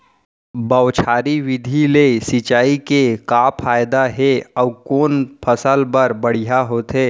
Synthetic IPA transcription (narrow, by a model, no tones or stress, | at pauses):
bəwt͡ʃʰaːɾiʋɪd̪ʱilesɪt͡ʃaːikekaːpʰaːjd̪aɦeɔːkoːnpʰəsəlbəɾbəɽ̤ijaɦoːt̪ɦeː